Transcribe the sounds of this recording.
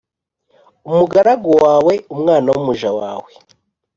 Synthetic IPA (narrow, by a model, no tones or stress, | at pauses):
umuɡaɾaɡowaːwe̞umŋaːnawumuʒawa̰ːwe̞